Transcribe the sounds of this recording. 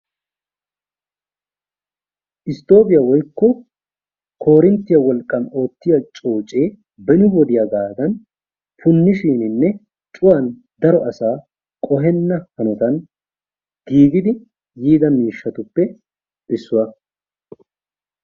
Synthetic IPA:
ʔɪst̪o̞ːpɪjɐwɔjkːɔ | kʰo̞ːɾɪnt̪ːɪjɐwɔlkʼːɐno̞ːt̪ːɪjɐt͡ʃʼo̞ːt͡ʃʼe̞ː | bɛnɪwɔd̪ɪjaɡ̪aːd̪ɐn | pʊnːɪʃiːnɪnːɛ | t͡ʃʼʊwɐn | d̪ɐɾɔʔɐsaː | kʼɔɦɛnːɐhɐnɔt̪ɐn | ɡiːɡɪd̪ɪ | jiːd̪ɐmiːʃːɐt̪ʊpːɛ | ɪsːʊwɐ

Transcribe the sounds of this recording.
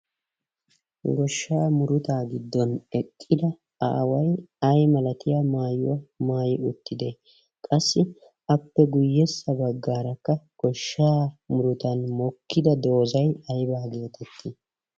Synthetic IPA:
ɡɔʃːaːmʊɾʊt̪aːɡɪd̪ːɔnɛkʼːɪd̪ɐ | a̰ːwɐjɐjmɐlɐt̪ɪjamaːjʊwɐmaːjɪʊt̪ːɪd̪e | kʼɐsːɪ | ɐpːɛɡʊjːɛsːɐbɐɡːaːɾɐkːɐɡ̥ɔʃːaːmʊɾʊt̪ɐnmɔkːɪd̪ɐd̪o̞ːzɐjɐjbaːɡe̞ːt̪ʰɛt̪ːɪ

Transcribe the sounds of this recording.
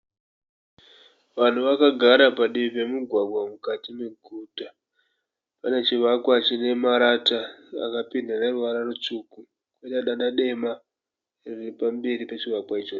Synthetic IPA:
ʋan̤uʋakaɡʱaɾapaɗiipe̞muɡʱwaɡʱwamukatimeɡʱuta | pane̞t͡ʃiʋakwat͡ʃine̞maɾataa̰kapindaneruʋaɾarut͡ʂuːku | kweɗaɗaɗaɗe̞ma | riripambe̞ɾipet͡ʃiʋakwait͡ʃo

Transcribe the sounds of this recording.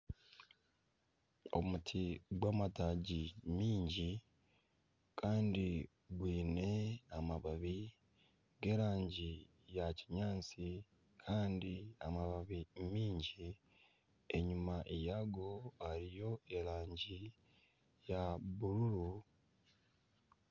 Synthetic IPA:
o̰mutʰiɡwaːmataːɟimiːɲɟi | kʰaːndi | ɡwiːne̞amaβaβi | ɡe̞ːɾaːɲɟi | jaciɲaːnt͡si | kʰaːndiamaβaβimiːɲɟi | e̞ɲumaʔejaɡohaɾijo̞e̞ɾaːɲɟi | jaβuɾuɾu

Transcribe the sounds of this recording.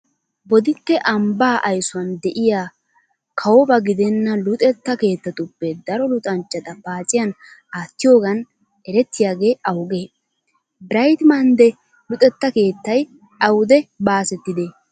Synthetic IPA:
bɔd̪ɪtːɛʔɐmbaːʔɐjsʊwɐnd̪ɛʔɪjaː | kʰɐwɔbɐɡɪd̪ɛnːɐlʊt̪ʼɛt̪ːɐke̞ːt̪ːɐt̪ʊpːɛd̪ɐɾɔlʊt̪ʼɐnt͡ʃːɐt̪ɐpaːt͡sʼɪjɐn | aːt̪ːɪjo̞ːɡɐn | ɛɾɛt̪ːɪjaːɡe̞ːʔɐwɡeː | bɪɾɐjt̪mɐnd̪ɛ | lʊt̪ʼɛt̪ːɐke̞ːt̪ːɐj | ɐwʊd̪ɛbaːsɛt̪ːɪd̪e

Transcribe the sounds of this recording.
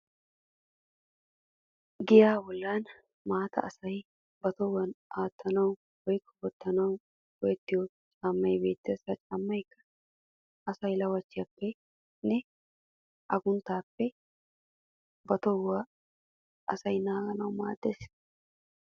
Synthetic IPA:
ɡɪjaːbɔlːaːn | maːt̪ɐ̰ʔɐsɐj | bɐt̪ɔwːɐnʔaːt̪ʰːɐnɐw | wɔjkʰːɔbɔt̪ːɐnɐw | ɡɔjɛt̪ːɪjɔ | t͡ʃʼaːmːɐjbe̞ːt̪ːesɐt͡ʃʼaːmːɐjkːɐ̥ | ɐsɐjlɐwɐt͡ʃːɪjɐpːɛ | nɛ | ʔɐɡʊnt̪aːpːɛ | bɐt̪ɔwːaː | ʔɐsɐjnaːɡɐnɐwma̰ːd̪ːeːs

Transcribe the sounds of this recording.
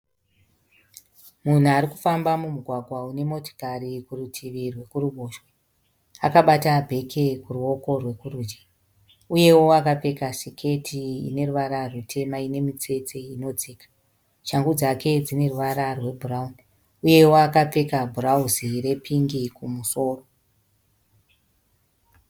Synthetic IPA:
mun̤uaɾiku̥fambamumuɡʱwaɡʱwaune̞mo̞to̥kaɾikurutʰiʋirwe̞kuɾuɓoːʃwe | akaɓatabʱe̞kʰe̞kuruo̞ko̞rwe̞kurud͡ʒi | uje̞wo̞akap͡fe̞kasikʰe̞tʰiḭne̞ruʋaɾarwutʰe̞maine̞mit͡se̞t͡seino̞d͡zeːkḁ | ʃaŋɡud͡zake̞d͡zine̞ruʋaɾarwe̞bʱurauni | uje̞woakap͡fe̞kabʱurauzire̞pʰiŋɡikumuso̞ːro

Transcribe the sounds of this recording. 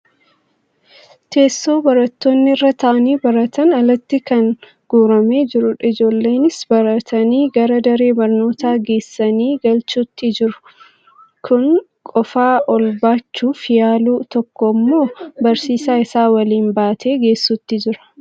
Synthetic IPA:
t̪e̞ːsːo̞ːbɐɾɐt̪ːo̞ːnːɪɪrːɐt̪ʰɐʔɐniːbɐɾɐt̪ʰɐnɐlɐt̪ːɪkɐn | ɡ̥uːɾɐme̞ːd͡ʒɪɾʊᶑɐɪd͡ʒo̞ːlːe̞ːnɪsbɐɾɐt̪ʰɐniːɡɐɾɐd̪ɐɾe̞ːbɐɾno̞ːt̪aːɡe̞ːsːɐniːɡɐlt͡ʃuːt̪ːɪd͡ʒɪɾʊ̥ | kʰʊŋ | kʼɔfaːʔɔlbaːt͡ʃːuːfɪjaːluːt̪ɔkːɔmːo̞ːbɐɾsiːsaːɪsaːwɐliːmbaːt̪ʰe̞ːɡe̞ːsːut̪ːɪd͡ʒɪɾɐ̥

